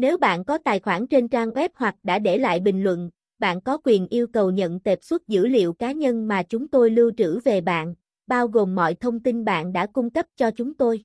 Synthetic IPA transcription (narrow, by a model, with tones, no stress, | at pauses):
ne˨˦wɓa̰ː˧˨nkɔ˨˦t̪aː˨˩jxwaː˧˩nt͡ɕe˧nt͡ɕaː˧ŋʔwɛ˦˥p̚hwa˨˩k̚ɗa̰ː˧˥ɗe˧˩la̰ː˧˨jɓï˨˩ŋ̟lwə̰˧˨n | ɓa̰ː˧˨nkɔ˨˦kwi˨˩ənʔi˧əwkə˨˩wɲə̰˧˨nt̪e˨˩p̚swə˦˥t̚zɨ̰˧˥lḭ˧˨əwkaː˨˦ɲə˧nmaː˨˩t͡ɕʊ˨˦ŋ͡mt̪o˧jlɨ˧wt͡ɕɨ̰˧˥ve˨˩ɓa̰ː˧˨n | ɓaː˧wɣo˨˩mːɔ̰˧˨jt̪ʰə˧wŋ͡mt̪i˧nɓa̰ː˧˨nɗa̰ː˧˥kʊ˧ŋ͡mkə˦˥p̚t͡ɕɔ˧t͡ɕʊ˨˦ŋ͡mt̪o˧j